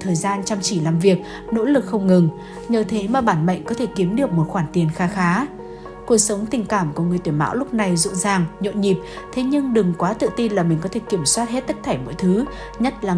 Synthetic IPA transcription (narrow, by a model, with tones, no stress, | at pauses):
t̪ʰəː˨˩jzaː˧nt͡ɕa˧wŋ͡mt͡ɕi˧˩laː˨˩mvi˨˩ək̚ | no̰˧˥lɨ˨˩k̚xə˧wŋ͡mŋɨ˨˩ŋ | ɲəː˨˩t̪ʰe˨˦maː˨˩ɓaː˧˩nɓə̰˧˨jŋ̟kɔ˨˦t̪ʰe˧˩ki˨˦əmɗɨ˨˩ək̚mo˨˩t̚xwaː˧˩nt̪i˨˩ənxaː˨˦xaː˨˦ | ku˨˩ək̚sə˨˦wŋ͡mt̪ï˨˩ŋ̟kaː˧˩mku˧˩ŋɨ˨˩əjt̪wma̰ː˧˥wlʊ˦˥k͡p̚na˨˩jzʊ̰˧˨zaː˨˩ŋɲo̰˧˨nɲi˨˩p̚t̪ʰe˨˦ɲɨ˧ŋɗɨ˨˩ŋkwaː˨˦t̪ɨ̰˧˨t̪i˧nlaː˨˩mi̟˨˩kɔ˨˦t̪ʰki˧˩əmswaː˦˥t̚he˦˥t̚t̪ə˦˥k̚t̪ʰaː˧˩jmo̰˧˥jt̪ʰɨ˨˦ | ɲə˦˥t̚laː˨˩